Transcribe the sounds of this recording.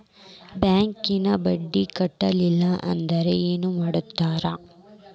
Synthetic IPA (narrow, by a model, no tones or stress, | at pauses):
bjaːŋkinɐbɐɖːikɐʈːɐlilːɐʔɐ̰nd̪ɐɾe̞eːnumaːɽut̪ːaːɾɐ